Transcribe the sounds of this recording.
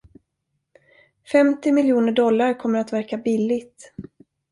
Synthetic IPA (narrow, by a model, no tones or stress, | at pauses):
fɛmt̪ɪmɪljuːnəɖɔlːaɾkʰɔmːəɾat̪væɾkabɪlːɪɡt̪